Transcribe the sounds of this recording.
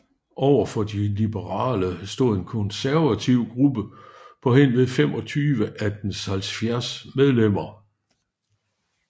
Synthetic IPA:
ʔɒʊ̰ɐfɒ̽d̥ilib̥əʁɑ̰̈ːləsd̥o̝ːðˠe̝nkʰɔ̽nsæɐʋæt͡sʰiʊ̰ɡ̥ʁub̥əpʰɒ̽ɦen̰ʋeðˠfemɒ̽t͡sʰyːʋəʔæd̥enshælsfjæɐsmeð̞ˠlem̰ɐ

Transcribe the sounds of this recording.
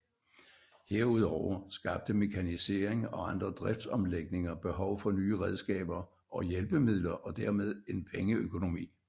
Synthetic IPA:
he̝ɐ̰uð̞̰ˠɒʊ̰ɐsɡ̥ɑ̈b̥̚d̥əme̝kʰænise̝̰ːɐ̰eŋɒ̽ɑ̈nd̥ʁɐd̥ʁɛfd̥sɒ̽mleɡ̥̚ne̝ŋɐb̥e̝ɦɒʊfɒ̽nyːəʁɛð̞ˠsɡ̥ɛ̰ːb̥ɐ | ʔɒ̽jelb̥əmið̞̰ˠlɐʔɒ̽d̥æɐmeð̞ˠe̝npʰeŋəøkʰo̝no̝mḭː

